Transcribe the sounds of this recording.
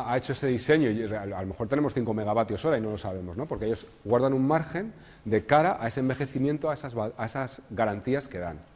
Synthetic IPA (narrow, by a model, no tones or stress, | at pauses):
ae̞t͡ʃo̞e̞se̞ðise̞ɲoalome̞xoɾt̪e̞nemo̞sθiŋkome̞ɣaβat̪jo̞so̞ɾaino̞lo̞saβ̞e̞mozno̞po̞ɾkeeʝo̞s | ɣwaɾðanummaɾxe̞n | d̪e̞kaɾaʔae̞sembe̞xe̞θimje̞nt̪oasazaae̞sazɣaɾant̪iaske̞ða̰n